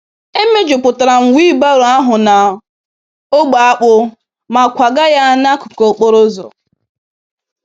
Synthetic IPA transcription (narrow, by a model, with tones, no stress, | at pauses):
e˦me˦d͡ʒʊ˨pʊ˨ta˨ɾa˨ŋ̩˨wi˦ba˦ɾo˨a˦ɦʊ˨na˨ | o˦ɡ͡ba˨a˦k͡pʊ˦ | ma˨kʷa˨ɡa˦ja˦na˦kʊ̥˨ko˨k͡pʊ˦ɾʊ˦zɔ̰˨